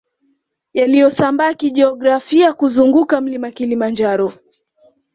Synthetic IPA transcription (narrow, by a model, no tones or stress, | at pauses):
jalijɔsambaːkiʄɛɔɡɾafiakuzuŋɡukam̩limakilimand͡ʒaɾɔ